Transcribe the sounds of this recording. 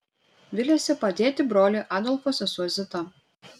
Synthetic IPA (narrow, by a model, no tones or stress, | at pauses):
ʋʲɪlʲɛsʲɛpɐd̪ʲeːt̪ʲɪbɾoːlʲiˑʔɑːd̪ɔlʲˠfosʲɐsuɔzʲɪt̪ɐ